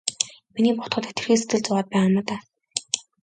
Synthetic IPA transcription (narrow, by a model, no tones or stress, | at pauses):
miniːpʊχt̪χə̆t̪et̪ɵ̆rxiːs̬et̪ɘ̆ɮt͡sʊʁaːt̪̚pæːamə̆ːt̪aː